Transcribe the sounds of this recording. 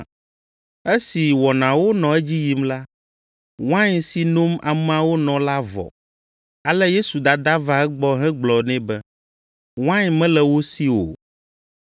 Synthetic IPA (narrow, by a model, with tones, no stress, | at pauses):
e˦si˨wɔ˨nã˨wo˦nɔ̃˨ɛ˦d͡ʑi˦ji˨˦mla˦ | wã˦ɲsi˨no˦ma˨m˦ã˦wo˦nɔ̃˨la˦vɔ̰˨ | a˨lɛ˦je˦su˨d̪a˨d̪a˦va˦ɛ˦ɡ͡bɔ˦ɦɛ̃˦ɡ͡blɔ˨nɛ̃˦bɛ˦ | w̃ã˦ɲmɛ̃˦lɛ˨wo˦si˦wo̰˨